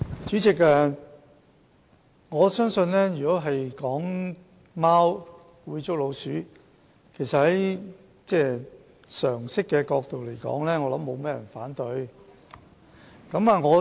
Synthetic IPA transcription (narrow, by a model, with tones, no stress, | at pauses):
t͡syː˨˥t͡sɪ˨k̚a˧ | ŋɔː˨˧sœː˥ŋsɵ˧nlɛː˥jyː˨kɔː˨˥ɦɐ˨jkɔː˨˥ŋ | maː˥w | wuː˨˧jt͡sʊ˥k̚lo˨˧wsyː˨˥ | kʰe˨˩jsɐ˨t̚hɐ˨˦j | t͡sɛː˥˩ | sœː˨˩ŋsɪ˥kːɛː˧kɔː˧k̚t̪o˨wle˨˩jkɔ̰ː˨˥ŋlɛː˥ŋɔː˨˧lɐ˨˥mːo˨˧wmɛː˥jɐ˨˩nfaː˨˥nt̪ɵ˨˧ɥ | kɐ˨˧˥mɐ˨˧ŋɔː˨˧